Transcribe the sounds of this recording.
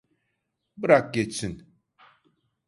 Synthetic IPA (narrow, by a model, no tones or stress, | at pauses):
bɨɾak̚ɡet͡sin